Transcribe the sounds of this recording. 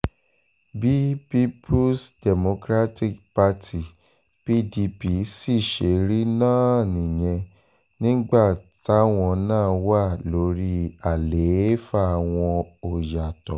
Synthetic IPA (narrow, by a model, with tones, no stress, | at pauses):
bi˦pi˦pʰu˦sdɛ˨mo˧kɾa˦ti˦kpa˦tʰi˨ | pi˦di˧pi˧si˦˨ʃe˨˦ɾi˦nãː˦˨nĩ˨j̃ɛ̃˧ | nĩ˦ɡ͡ba˦˨ta˨˦w̃ɔ̃˧nãː˦˨wa˦˨lo˨˦ɾi˦a˨le˨˦fa˦˨w̃ɔ̃˧o˨ja˨tɔ˨